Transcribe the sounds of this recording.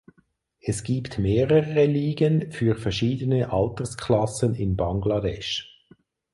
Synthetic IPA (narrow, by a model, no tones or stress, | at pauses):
ɛsɡ̥iːptmeːʁəəʁəliːɡənfyːʁfɛʁʃiːdənəʔɑltəskʰlɑsənɪnbɑŋɡlɑdɛʃ